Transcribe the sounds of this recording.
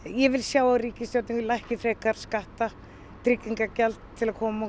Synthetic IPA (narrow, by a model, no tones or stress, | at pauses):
jɛvɪlsjaːwariːcɪst̪jowt̪niŋkʏlajhcɪfɾeːkaɾ̥skaht̪a | t̪ɾɪkːiŋkacɛlt̪t̪ʰːɪlakʰɔːmaɔ